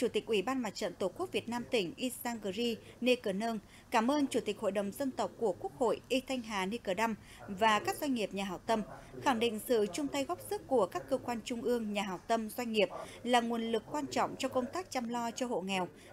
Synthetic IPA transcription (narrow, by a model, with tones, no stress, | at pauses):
t͡ɕu˧˩t̪i˨˩k̟̚ʔwi˧˩ɓaː˧nma˨˩t̚t͡ɕə̰˧˨nt̪o˧˩ku˦˥k̚vi˨˩ət̚naː˧mt̪ï˧˩ŋ̟ʔi˧st̪aː˧nɣə˨˩zi˧ne˧kəː˨˩nəː˧ŋ | kaː˧˩mʔəː˧nt͡ɕu˧˩t̪i˨˩k̟ho̰˧˨jɗə˨˩wŋ͡mzə˧nt̪ə˨˩wk͡p̚ku˧˩əku˦˥ək̚ho̰˧˨jʔi˧t̪ʰa˧jŋ̟ɦaː˨˩ne˧kəː˨˩ɗa˧m | vaː˨˩kaː˦˥k̚zwa˧ŋ̟ŋi˨˩əp̚ɲaː˨˩ɦaː˨˩w̚t̪ə˧mxa˧˩ŋɗḭ̈˧˨ŋ̟sɨ̰˧˨t͡ɕʊ˧ŋ͡mt̪a˧jɣɔ˦˥wp̚zɨ˦˥əkku˧˩əkaː˦˥kːəː˧kwaː˧nt͡ɕʊ˧ŋ͡mʔɨ˧əŋɲaː˨˩ɦaː˨˩w̚t̪ə˧mzwa˧ŋ̟ŋi˨˩əp̚laː˨˩ŋu˨˩ənlɨ˨˩kːwaː˧nt͡ɕɔ̰˧˨wŋ͡mt͡ɕɔ˧kə˧wŋ͡mt̪aː˦˥k̚t͡ɕa˧mlɔ˧t͡ɕɔ˧ho̰˧˨ŋɛ˨˩w